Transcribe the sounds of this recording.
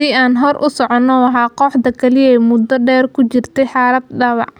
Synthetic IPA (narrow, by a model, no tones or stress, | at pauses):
iːaːnɦɔrʔʊsɔʕɔnːɔwɑɦaːqɔːħd̪ɐkʰɐlɪjɛjmʊd̪ɔɖɛːrkʰʊt͡ʃɪrt̪ʰɛjħɑːlɐd̪̚ɖɑwɑ̰ʕ